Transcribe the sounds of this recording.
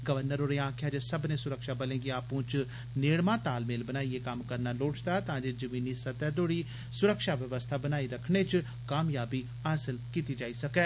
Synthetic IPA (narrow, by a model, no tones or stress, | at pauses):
ɡəʋəɾnəɾoːɾeːãːkʰjaːd͡ʒesəbnẽːsʊɾəkʃaːbəlẽːɡiaːpũːt͡ʃ | neːɽmãːt̪aːlmeːlbənaːieːkəmkəɾnaːloːt͡ʃd̪aːt̪ãːd͡ʒed͡ʒəmiːniːsət̪ɛːd̪oːɽiː | sʊɾəkʃaːʋəʋəst̪ʰaːbənaːiːɾəkʰɳeːt͡ʃ | kaːmjaːbiː | aːsəlkiːt̪iːd͡ʒaːiːsəkɛː